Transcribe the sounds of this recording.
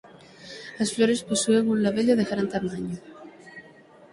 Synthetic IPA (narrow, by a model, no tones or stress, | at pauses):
asfloɾesposueŋunlaβeʎoðeɣɾant̪amaɲo